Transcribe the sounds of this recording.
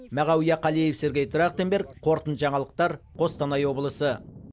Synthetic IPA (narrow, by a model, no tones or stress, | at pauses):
mæʁɑwijɑqʰɑlˠijefse̞ɾɡʲe̞jt̪ʰʊɾɑqt̪embe̞ɾkqʰo̞ɾt̪ənʒɑɴɑlˠəq̚t̪ɑɾqʰo̞st̪ɑnɑjwo̞blˠəsə